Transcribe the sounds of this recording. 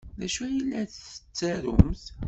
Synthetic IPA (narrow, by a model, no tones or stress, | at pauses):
ðæʃæjilːæθθə̥t͡sːæɾʊ̰mθ